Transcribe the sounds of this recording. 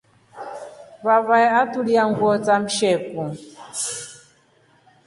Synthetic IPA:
βaβaɛatuliaŋɡwɔt͡sam̩ʃɛku

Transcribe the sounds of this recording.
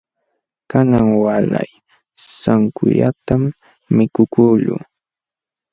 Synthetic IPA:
kanaŋwala̰j | saŋkʊʎat̪amː | ɪkʊkuːʎʊ̰

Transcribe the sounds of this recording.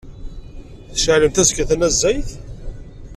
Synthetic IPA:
θə̥ʃəʕləmt̪æzkæθænæzːæjθ

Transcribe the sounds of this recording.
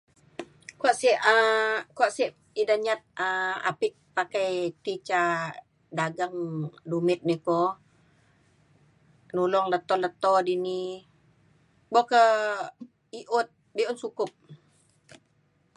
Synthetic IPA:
kuaʔsiʔəkuaʔsiʔ | idaɲat̪̚əa̰pik̚pakajt̪it͡ʃa | daɡaŋdumɪt̪̚nikɔ | nulɔŋlət̪ɔlət̪ɔdini | bɔkə | iʔʊt̪̚ | biʔʊnsukʊp̚

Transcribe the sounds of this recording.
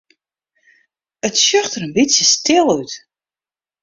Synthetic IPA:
ətsjøxtəɾənbɪtsjəstɪlˠyt

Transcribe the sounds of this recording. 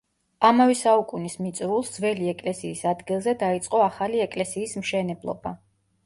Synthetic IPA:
amavɛsaukʼunismit̪sʼɾulˠsd̪zvɛliɛkʼlɛsiːsad̪ɡilˠzɛd̪ait̪sʼqʼɔaχaliɛkʼlɛsiːsmʃɛnɛblˠɔ̰ba

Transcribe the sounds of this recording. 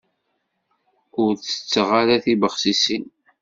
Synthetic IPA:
ʊɾθə̥t͡sːəʁaɾaθibəχsisin

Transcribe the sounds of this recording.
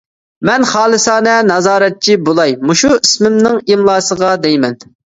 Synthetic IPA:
mɛnχɑːlˠɨsɑːnɛnɑzɑːɾɛt̪̚t͡ʃʰibolˠɑjmuʃuismɪmnɪŋimlˠɑːsəʁɑd̪ɛjmɛn

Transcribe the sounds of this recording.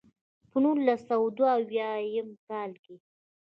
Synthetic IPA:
pənulasawd̪waawjɑjəmkɑlke

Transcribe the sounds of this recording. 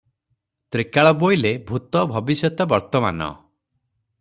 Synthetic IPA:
t̪ɾikaɭɔbojlebʱut̪ɔbʱɔbisjɔt̪ɔbɔɾt̪ɔma̰nɔ̰

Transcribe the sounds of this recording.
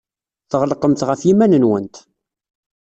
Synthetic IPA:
θəʁlqəmt̪ʁəfjimænənwənt̪

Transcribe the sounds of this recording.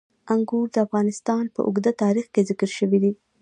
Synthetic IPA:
aŋɡuɾd̪əafɣɑnɪst̪ɑnpə̰ʔʊ̰ɡd̪at̪ɑɾixkezɪkɾʃəwid̪i

